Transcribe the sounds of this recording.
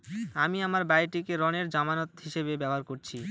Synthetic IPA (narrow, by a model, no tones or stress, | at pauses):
amiamaɾbajʈikeɾɔneɾd͡ʑamanot̪ɦiʃebebɛboɦaɾkoɾt͡ɕʰi